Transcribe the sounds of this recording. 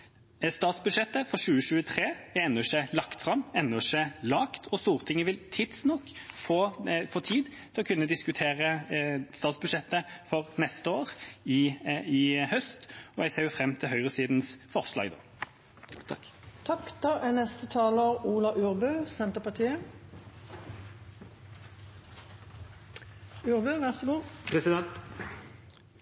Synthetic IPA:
st̪ɑːt̪sbʉd̪ʂɛt̪ːəfɔʃʉːəʃʉːət̪ʰʁeːɛnːʉʂelɑkt̪fʁɑmːɛnːʂelɑːkt̪ʰɔst̪uːʁt̪ʰɪŋːəʋɪlt̪ʰɪd̪snɔkːfoːfɔt̪ʰiːd̪ | sɔkʰʉnːəd̪ɪskʉt̪ʰeːʁəst̪ɑːt̪sbʉd̪ʂɛt̪ːəfɔʁnɛst̪əoːʁɪɪhœst̪ɔjɛɡseːjʊfʁɛmːt̪ʰɪlɦœʏʁəsiːd̪n̩sfɔʁslɑ̰ːɡd̪o̰ː | t̪ʰɑkt̪ɔɛnɛst̪ət̪ʰɑːləʁuːlɑʔʉːʁbøːsɛnt̪əpɑʁt̪ʰiːə | ʉːʁbøʋæʁsəɡuːpʰɾɛsɪd̪ɛnt̪

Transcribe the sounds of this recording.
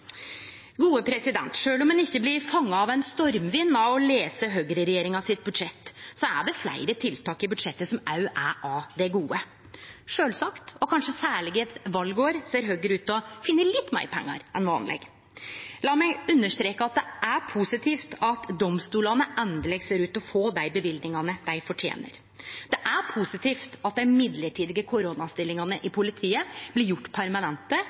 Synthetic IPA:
ɡuːəpʰɾɛsɪd̪ɛ̰nt̪ʂøːlɔmhɛnɪçːəblɪɾfɑŋːɑɑʋæɪnst̪ɔɾmʋɪnːɑɔleːsəɦøːɡɾəɾɛjeːɾɪŋɑsɪt̪̚bʉd̪ʂɛt̪ːsɔæɖɛflæ̰ɪɾət̪ʰɪlt̪ʰɑːkɪbʉd̪ʂɛt̪ːəsɔmɑʉʔæʔɑd̪ɛɡuːə | ʂøːlsɑkt̪ɔkʰɑnʂəsæːɭɪɡɛt̪ʋɑlɡoːɾseːɾɦøːɡɾəʉːt̪ɔfɪnːəlɪt̪ːmæ̰ɪɾpʰɛ̰ŋːɑ̰ɾɛnʋɑ̰ːnlɛ̰ɡ | lɑːmæɪʉnːəʂt̪ɾeːkəɑt̪̚d̪ɛʔæpʰusɪt̪ʰiːft̪ʰɑt̪d̪ɔmst̪uːlɑnəʔɛnd̪əlɛɡseːɾʉːt̪ɔfoːd̪æɪbəʋɪld̪nɪŋɑnəd̪̥æɪfɔʈʰjḛːnə̰ɾ | d̪ɛʔæɾpʰʊsɪt̪ʰiːft̪ɑt̪̚d̪ɛɪmɪd̪ləʈʰiːd̪ɪɡəkʰʊɾonɑst̪ɪlɪŋɑnəʔɪpʰʊlɪt̪ʰiːəb̥lɪɾjʊʈːpʰæɾmɑnɛnt̪ə

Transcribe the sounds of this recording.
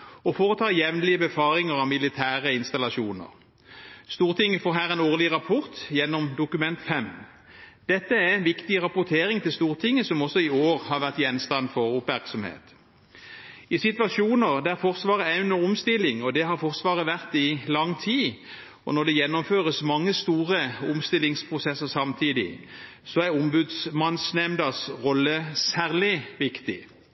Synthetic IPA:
ɔfoːʁət̪ʰɑːʁjɛʋnlɪəbɛfɑːɾɪŋəʁɑmɪlɪt̪ʰæːʁəɪnst̪ɑlɑʃuːnə̰ʁ | st̪uːʁt̪ʰɪŋːəfoːɦæːɾʁɛnoːʁlɪʁɑpʰɔʁt̪jɛnːɔmd̪ʊkʉmɛnt̪fɛm | d̪̥ɛt̪ːəæɛnʋɪkt̪ɪʁɑpʊt̪ʰeːʁɪŋt̪ɪlst̪uːʁt̪ʰɪŋːəsɔmɔsɔɪoːʁhɑʁʋæʁt̪jɛnst̪ɑnfɔʁʊpmæʁksɔmhḛːt̪ | ɪsɪt̪ʋɑʃuːnəʁd̪æɾfɔʁsʋɑːʁəæɪnɔʊmst̪ɪlːɪŋɔd̪ɛɦɑɾfɔʁsʋɑːʁəʋæʁt̪ɪlɑŋːt̪ʰiː | ɔ̰nɔʁd̪ɛjɛnːɔmføːʁəsmɑŋːəst̪uːʁəʊmst̪ɪlɪŋspʰʁʊsɛsəʁsɑmt̪ʰiːd̪ɪ̰ | sɔæʁʊmbʉd̪smɑnsnɛmd̪ɑsʁɔlːəsæːʁlɪʋɪkt̪ɪ

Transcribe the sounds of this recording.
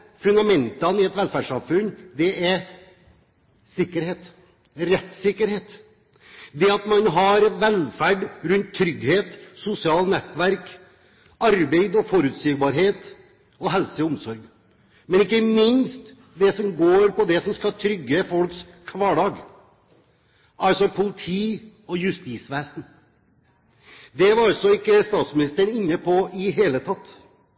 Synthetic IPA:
fʉnd̪ɑmɛnt̪ɑnɪɛt̪ʋɛlfæːɖʂɑmfʉnːd̪ɛɛɾ | sɪkːəɾheːt̪ | ɾɛt̪sɪkːəɾheːt̪ | d̪ɛɑt̪mɑnɦɑɾʋɛlfæɖɾʉnt̪ʰːɾʏɡheːt̪sʊsɪɑːlnɛt̪ːʋæɾk | ɑɾbeɪd̪ɔfɔɾʉːt̪siːɡ̚bɑɾɦeːt̪ | ɔɦɛlsəʊmsɔɾɡ | mɛnɪkːəmɪnst̪ | d̪ɛsɔmɡoːɾpɔd̪ɛsɔmskɑlt̪ʰɾʏɡːəfɔlks | kʰʋɑːɖɑːɡ | ɑlsɔpʰʊlɪt̪ʰiː | ɔjʉst̪iːsʋeːsn̩ | d̪ɛʋɑɾɑlsɔɪkːəst̪ɑːt̪smɪnɪst̪əɳɪnːəpʰɔɪɦeːlət̪ʰɑt̪ː

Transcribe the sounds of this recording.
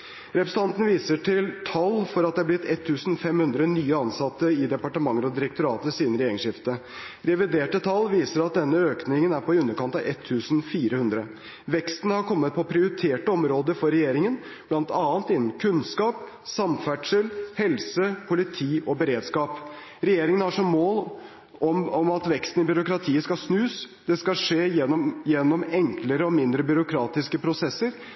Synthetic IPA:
ɾɛpɾəsəɑnt̪n̩ʋiːsəʈɪlt̪ʰɑlːfɔɾɑt̪d̪ɛɑblɪt̪ːɛt̪ʰːʉːsn̩fɛmhʉnd̪ɾənyːəɑnsɑt̪ːəɪd̪ɛpɑʈəmɑŋːəɾɔd̪ɪɾəkt̪ʊɾɑːt̪əsiːd̪nɾeːɪəŋʂɪft̪ə | ɾɛʋɪd̪eːʈət̪ʰɑlːʋiːsəɾɑt̪̚d̪ɛnːəøːknɪŋənæɾpɔʉnːəɾkɑnt̪ɑʋɛt̪ʰːʉːsn̩fiːɾəhʉnd̪ɾə | ʋɛkst̪ənəhɑɾkʰɔmːət̪̚pʰɔpʰɾɪʊɾɪt̪ʰeːʈəɔmɾoːd̪əfɔɾɛjeːɾɪŋən | b̥lɑnt̪ɑːnt̪ɪnːmkʰʉnskɑːp̚ | sɑmfæʈʂəlhɛlsəpʰʊlɪt̪ʰiːɔbəɾeːd̪skɑːpɾɛjeːɾɪŋənhɑʂɔmːoːl | ɔmɔmɑt̪ʋɛkst̪n̩ɪbʏɾʊkɾɑt̪ʰiːəskɑsnʉːs | d̪̥ɛskɑʂeːjɛjɛnːɔmɛŋkləɾəɔmɪnd̪ɾəbʏɾʊkʰɾɑːt̪ɪskəpʰɾʊsɛsːəɾ

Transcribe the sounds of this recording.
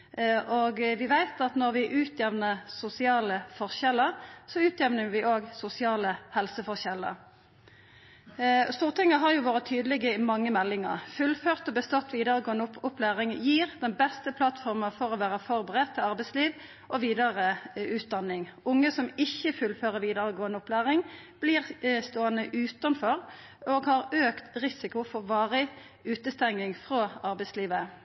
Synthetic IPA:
ʔoːɡʋɪʋæɪt̪ɑt̪nɔʁʋɪʔʉːt̪ʰjɛʋnəsʊsɪɑːləfɔʁçɛləʁsɔʉːt̪ʰjɛʋnəʋɪʔoːɡsʊsɪɑːləhɛlsəfɔʁçɛlːə̰ʁ | st̪uːʁt̪ɪŋːəɦɑʁjʊʋoːʁət̪ʰyːd̪lɪɡəɪmɑŋːəmɛlːɪŋə̰ʁfʉlføːʁt̪ɔbəst̪ɔt̪ːʋiːd̪əʁəɡoːənʊʊplæːʁɪŋjiːʁd̪ɛnbɛst̪əpʰlɑt̪fɔɾməfɔʁɔʋæːʁəfɔɾbəʁɛt̪ʰːɪlɑʁbɛɪsliːʋ | ʔɔʋiːd̪əʁəʉːt̪̚d̪ɑnːɪŋʊŋːəsɔmɪçːəfʉlføːʁəɾʋiːd̪əʁəɡoːənəʊpʰlæːʁɪŋb̥liːʁst̪oːənəʔʉːt̪ɑnfɔʁ | oːɡhɑɾøːkt̪ʁɪsɪkʊfɔʋɑːʁə | ʉːt̪əst̪ɛŋɪŋfʁoːɑʁbɛɪsliːʋə

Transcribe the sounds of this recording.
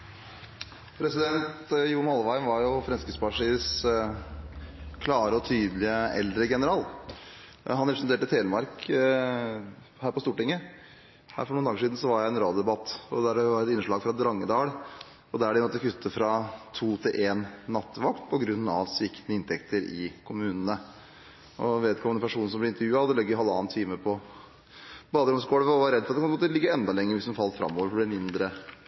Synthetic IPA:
pʰɾɛsɪd̪ɛnt̪juːmhɑlʋæɪmʋɑɾjʊfɾɛnskəspɑʂiːəs | kʰlɑːɾəɔt̪ʰyːd̪lɪəɛ̰ld̪ɾəɡɛnəɾɑːl | ɦɑnɾɛpɾsnt̪eːʈət̪ʰeːlmɑɾk | hæːɾpɔst̪uːʈɪŋːə | hæ̰ːɾfɔɳuːnɑːɡəʂiːd̪n̩sɔʋɑɾjæɪɛnɾoːd̪d̪ɛbɑt̪ːɔ̰d̪æɖɛʋɑːɾɛt̪ɪnːəʂɭɑːɡfɾɑd̪ɾɑŋːəd̪ɑːɽ | ɔd̪æɖɛmɔt̪ːəkʉt̪ʰːəfɾɑt̪ʰuːt̪ʰɪlʔeːnːɑt̪ːʋɑkt̪pʰɔɡɾʉnːɑʋsʋɪkt̪nəɪnt̪ʰɛkt̪ʰəɾɪ̰kʰʊmʉːnənə | ɔʋeːt̪kʰɔmːd̪ɛmpʰæʂuːnəsɔmblɪɾɪnt̪əɾjʉːɑɔd̪ɛlœɡəjɪɦɑlːɑːnt̪ʰiːməpʰɔ | bɑːd̪əɾʊmskoːɽʋɔʋɑɾɛd̪ːfɔɾt̪ɛkɑp̪əmoːt̪əlɪɡːəɛnd̪ɑlɛŋːəɾʋɪsd̪nfɑlːt̪fɾɑ̰mːoːʋəɾfɔblɪmɪnd̪ɾə

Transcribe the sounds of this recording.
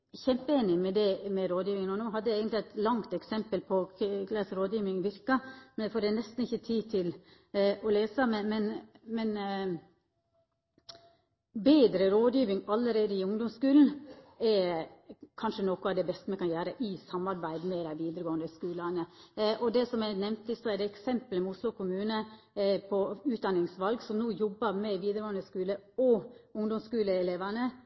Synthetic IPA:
çɛmpəeːnɪmɛd̪ɛmɛɾoːd̪jiːʋɪŋənɔnoːɦɑd̪ːəeːɡənt̪lɪæɪt̪lɑŋt̪ɛksɛmpəlpʰɔkʰlɑsɾoːd̪jiːʋɪŋʋɪɾkəmɛnd̪ɛfoːɾɖɛnɛst̪n̩ɪçːət̪ʰiːt̪ʰɪl | ɔleːsəmɛnmɛnmɛn | beːd̪ɾəɾoːd̪jiːʋɪŋɑlːəɾeːd̪əɪʊŋd̪ɔmskʉːln̩ɛɾ | kʰɑnʂənɔkʊɑʋd̪ɛbɛst̪əmɛkɑnjæːɾəʔɪsɑmːɑɾbæɪd̪mɛd̪æɪʋiːd̪əɾəɡoːənd̪əskʉːlənəʔɔd̪ɛsɔmɛnɛmnt̪ɪst̪ɔɛd̪ɛɛksɛmpələmɛʊslʊkʊmʉːnə | pʰɔʉːt̪̚d̪ɑnɪŋsʋɑlɡsɔmnuːjɔbːəɾmɛʋiːd̪əɾəɡoːənd̪əskʉːləɔʊŋd̪ɔmskʉːləɛleːʋænə

